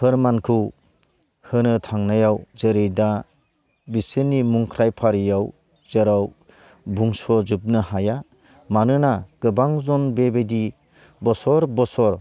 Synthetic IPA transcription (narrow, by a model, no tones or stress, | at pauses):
pʰɯɾmankʰɯw | hɯnɯtʰaŋnajawzeɾɯjda | bisenimuŋkʰɾajpʰaɾijaw | zeɾaw | buŋsɔzɯp̚nɯhaja | manɯnaɡ̥ɯbaŋzɔnbebedi | bɔsɔɾbɔsɔɾ